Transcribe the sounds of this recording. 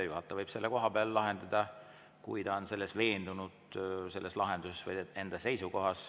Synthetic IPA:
ejuɦɑt̪ːˑɑvɤjb̥se̞lːekoɦɑbeɑllɑɦe̞nd̪ɑd̪ɑ | kujd̪ɑonse̞lːe̞sve̞ːnd̪unud̪̥se̞lːeslɑɦend̪̥usesvɤje̞nd̪ɑse̞jsuko̞ɦɑs

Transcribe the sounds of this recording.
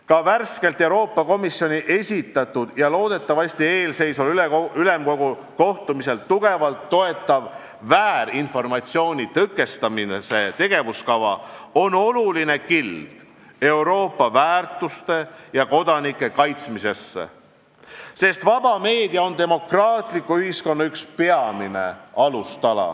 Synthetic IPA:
kɑværske̞lt̪ːˑe̞uwɾo̞ːpːɑko̞misjo̞nʲiʔe̞sʲit̪ːˑɑt̪ːud̪̥jɑlo̞ːd̪̥e̞t̪ːɑvɑsʲt̪ie̞ːlse̞jsolyleylemko̞ɡu | ko̞ht̪umise̞lt̪uɡ̥e̞vɑlt̪ːo̞e̞t̪ˑːɑvː | æːɾinfo̞rmɑt̪sio̞ːnʲit̪ɤkːˑe̞st̪ɑminese̞t̪e̞ɡ̥e̞vuskɑvɑ̰o̞no̞luline̞kild̪̥ | e̞wɾo̞ːpːˑɑvæːrt̪ˑust̪e̞jɑko̞d̪ɑnikːˑe̞kɑjt̪smise̞sːḛ | se̞st̪vɑb̥ɑme̞ːd̪̥iɑo̞nt̪e̞mo̞krɑːt̪ˑlikːuyhisko̞nːɑykspe̞ɑmine̞̰ɑlust̪ɑlɑ̰

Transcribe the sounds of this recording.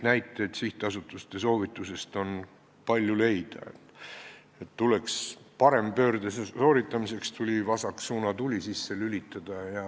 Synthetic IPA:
næjt̪ːˑeːt̪siht̪eɑsut̪ːˑust̪e̞so̞ːvit̪ːˑuse̞st̪o̞n | pɑlʲjule̞jd̪̥ɑ̰et̪ː | e̞t̪ːule̞kspɑɾe̞mpø̞ːrd̪̥ɑsesoːɾit̪ˑːɑmise̞kst̪ʰulʲivɑsɑksuːnɑt̪ulʲisisːelylʲit̪ːˑɑd̪̥ɑjɑ

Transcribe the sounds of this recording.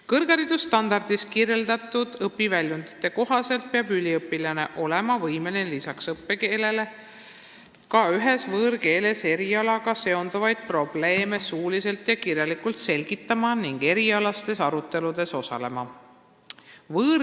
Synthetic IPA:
kɤrɡ̥ɑɾid̪ust̪ɑnd̪ɑrd̪̥iskire̞ld̪̥ɑt̪ːˑud̪̥ɤpːˑivælʲjund̪̥i̥t̪ːˑe̞ko̞ɦɑse̞lt̪̚peɑbylʲiɤpːˑilɑne̞̰ʔo̞le̞mɑvɤjmenelisɑksɤpːe̞ke̞ːle̞le̞ | kɑyɦe̞svɤːɾke̞ːle̞se̞ɾiɑlɑɡ̥ɑse̞o̞nd̪̥uvɑjd̪̥̚pro̞b̥le̞ːme̞suːlise̞lt̪jɑkirjɑlikult̪se̞lʲɡ̥it̪ˑːɑmɑniŋɡ̥e̞ɾiɑlɑst̪e̞sɑɾut̪ːe̞lud̪̥e̞so̞sɑ̰le̞mɑ | vɤːɾ

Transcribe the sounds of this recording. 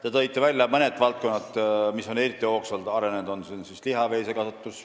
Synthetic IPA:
t̪et̪ɤ̞jt̪ːˑevælʲːjɑmɤne̞d̪vɑlt̪̚ko̞nːɑd̪miso̞ne̞ɾit̪ːˑio̞ːksɑld̪ɑɾe̞ned̪o̞nsinsisliɦɑve̞ːsekɑsɑt̪ːˑus

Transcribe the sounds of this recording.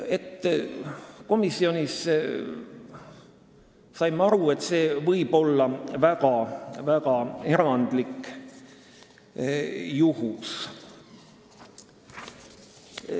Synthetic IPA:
e̞t̪ːˑ | ko̞misːio̞nʲis | sɑjmɑɾue̞t̪se̞ːvɤjb̥o̞lːɑvæɡ̥ɑvæɡ̥ɑeɾɑnd̪̥lik | juhus

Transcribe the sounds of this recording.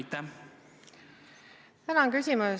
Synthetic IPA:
t̪ːæ | t̪ænɑkysʲimu

